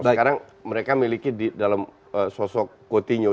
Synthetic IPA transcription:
akaɾaŋ | məɾekamilikididalam | əsɔsɔkkːot̪iɲo

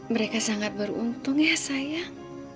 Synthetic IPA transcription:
məɾekasaŋat̪̚bəɾṵnt̪ʊŋjasaja

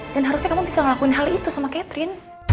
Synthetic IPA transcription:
danɦaɾusɲakamubisaŋəlakuɪnɦalit̪usamakɛt̪ɾɪn

